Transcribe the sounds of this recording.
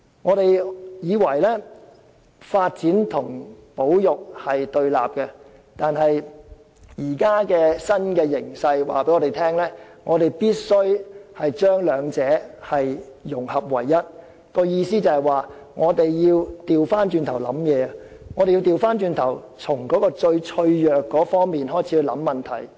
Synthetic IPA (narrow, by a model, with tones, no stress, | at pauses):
ŋɔː˨˧t̪e˨jjiː˨˧wɐ˨˩jlɛː˥ | faː˧t̚t͡siː˨˥nt̪ʰʊ˨˩ŋ | po˨˥wjʊ˨k̚hɐ˨jt̪ɵ˧ɥla̰ː˨p̚kɛ˧ | t̪aː˨nɦɐ˨j | jiː˨˩kaː˥kɛː˧sɐ˥nkɛː˧jɪ˨˩ŋsɐ˧jwa̰ː˨pe˨˥ŋɔː˨˧˥e˨˩jt̪ʰɛː˥ŋlɛː˥ŋʔɔː˨˧t̪e˨jpiː˥t̚sɵ˥ɥhɐ˨jt͡ʃœː˥ŋlœː˨˧ŋt͡sɛː˨˥hɐ˨jjʊ˨˩ŋhɐ˨p̚wɐ̰˨˩jːɐ˥t̚ | kɔː˧jiː˧siː˥t͡sɐ˨whɐ˨jwaː˨ | ŋɔː˨˧t̪e˨jjiː˧wt̪iː˨wfaː˥nt͡ʃyː˧nt̪ʰwlɐ̰˨˥mjɛː˨˧ɐ˧ | ŋɔ˨˧e˨ji˧t̪iː˨˧wfaː˥nt͡ʃyː˧nt̪ʰɐ˨˩w | t͡sʰʊ˨˩ŋkɔː˨˥kɔː˧t͡ʃɵ˧ɥt͡ʃʰɵ˧ɥjœː˨kːɔː˨˥fɔː˥ŋmiː˨nɦɔː˥˩jt͡sʰi˨˥wlɐ̰˨˥mːɐ˨nt̪ʰɐ̰˨˩j